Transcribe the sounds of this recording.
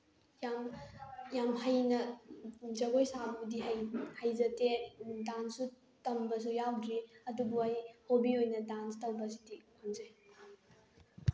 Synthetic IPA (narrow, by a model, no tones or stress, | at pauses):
jamjamɦɐjnɐ | d͡ʒɐɡojsabudiɦjhɐjzɐtedansu | tɐmbɐs̬ujawdɾiɐdubuajhobiojnɐdanstɐwbɐs̬idihonzɐj